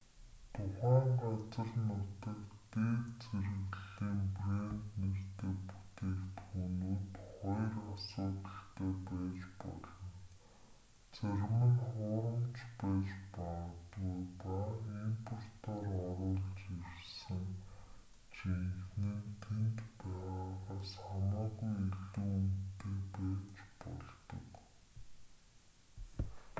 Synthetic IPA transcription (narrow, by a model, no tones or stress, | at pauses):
t̪ʰʊχæːŋɢat͡sə̆rnʊt̪ə̆kt̪eːkt͡sʰeɾɘ̆ɣɮiːmprent̪ner̥t̪eːput̪eːkt̪xunuːt̪χɔjrasʊːt̪ə̆ɬt̪ʰeːpæːt͡ɕpɔ̰ɮɞ̆n | t͡sʰæɾmə̆ŋχʊːɾə̆mt͡ɕpæːt͡ɕpat̪ɣujpaimpʰʊr̥t̪ʰɔːrɔɾʊːɮt͡ɕersɘ̆ŋ | t͡ɕʰixnĭnt̪ʰent̪pæːʁaːʁaːsamaːɣujiɮuːunt̪eːpæːt͡ɕpɔ̰ɮt̪ɞ̰̆k